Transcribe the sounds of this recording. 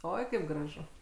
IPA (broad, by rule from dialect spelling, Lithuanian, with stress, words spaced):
ˈoːɪ kɐɪp ɡrɐˈʒʊ